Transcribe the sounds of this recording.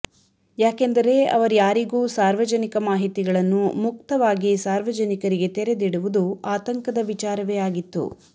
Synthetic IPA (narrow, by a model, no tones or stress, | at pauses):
jaːkend̪ɐɾe̞ɐ̰ʋɐɾujaːɾiɡuːsaːɾʋɐd͡ʒɐnikɐmaːɦit̪iɡɐɭɐnːumuk̚t̪ɐʋaːɡisaːɾʋɐd͡ʒɐnikɐɾiɡe̞t̪ɛɾed̪iɽuʋud̪uaːt̪ɐŋkɐd̪ɐʋit͡ʃaːɾɐʋejaːɡit̪ːṵ